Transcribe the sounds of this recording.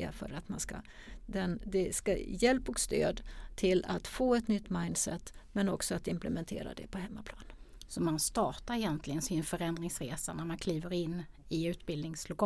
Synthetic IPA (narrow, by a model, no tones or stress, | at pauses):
a̰fœ̰ːɾat̪manska̰ | d̪ɛnd̪ɛskajɛlpɔkst̪ø̰ːd̪t̪ʰɪlat̪foːɛt̪nʏt̪ːmaɪnd̪sɛt̪ːmɛnɔksɔat̪ɪmplɛmɛnt̪ʰḛːɾa̰d̪ɛ̰pʰɔɦɛmːapʰlɑːnənsɔmanst̪ɑːʈaɾɛjɛnt̪ʰlɪɡənsɪnfœɾɛnd̪ɾɪŋsɾḛːsanæɾmankʰliːvəɾɪnːɪʉ̟ːt̪bɪld̪nɪŋslʊkʰɑ